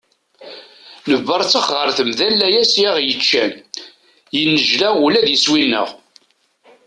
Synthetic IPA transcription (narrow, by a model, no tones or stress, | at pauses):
nəvːəɾˤt͡sːəχʁəɾˤθəmðælːæjæsjaʁjət͡ʃːæ̰n | jənːəʒlæulæðjəswinːə̰ʁ